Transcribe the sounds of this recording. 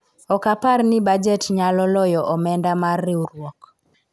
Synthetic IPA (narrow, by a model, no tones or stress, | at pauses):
ɔkaparnɪbad͡ʒɛtɲalɔlɔjɔʔɔmɛndamarːɪuɾwɔk